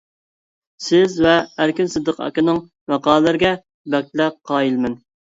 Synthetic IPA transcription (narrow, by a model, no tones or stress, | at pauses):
sɪzvɛæɾkʲinsɨzd̪əqɑ̰kʲɪnɨŋ | mɑqɑːlˠlɪɾɪɡʲɛ | bɛk̚ʲt̪læqʰːɑːjilmɪn